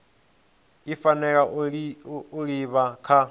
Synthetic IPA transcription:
ifanɛk̬a | uɺiβakʰa

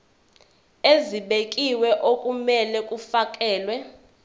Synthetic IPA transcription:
eziɓekʼiwɛʔokʼumɛlɛkʼufak̬ʼɛːlwɛ

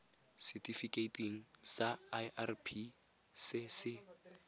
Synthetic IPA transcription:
sɛtʰʼifikʼetʼiŋ̩saaʔarpʰi | sɪsɪ

